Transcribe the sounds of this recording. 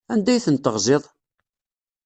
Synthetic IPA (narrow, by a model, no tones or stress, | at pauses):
ænd̪æjθənt̪əʁzɪðˤ